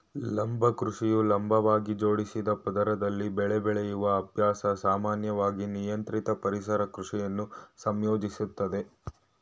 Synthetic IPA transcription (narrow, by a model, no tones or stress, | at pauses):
lɐmbʱɐkɾuʂijulɐmbʱɐʋaːɡid͡ʒo̞ːɽisid̪ɐpɐd̪ɐɾɐd̪ɐlːibɛɭɛbɛɭejuʋɐːbʱjaːsɐsaːmaːnjɐʋaːɡinijɐnt̪ɾit̪ɐpɐɾisɐɾɐkɾuʂijɐnːusɐmjoːd͡ʒisut̪ːɐd̪e̞